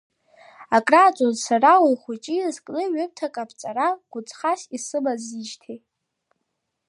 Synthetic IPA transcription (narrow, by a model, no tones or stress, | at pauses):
akʼraːt͡ʃʷʼozsarawajχʷut͡ʃʼizkʼnɨɥʏp̚tʰakʼapʰt͡sʼaɾaɡ̥ʷʊt͡sʼχasisɨbaziʒtʰe